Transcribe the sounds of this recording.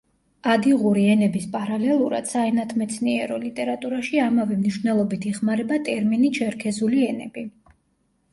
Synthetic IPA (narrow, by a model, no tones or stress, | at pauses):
ad̪iʁuɾiɛnɛbispʼaɾalɛlˠuɾa̰d̪̥saɛnat̪ʰmɛt̪sʰniɛɾɔlit̪ʼɛɾat̪ʼuɾaʃiamavɛmniʃvnɛlˠɔbit̪ʰiχmaɾɛbat̪ʼɛɾminit͡ʃʰɛɾkʰɛzuliɛnɛb̥i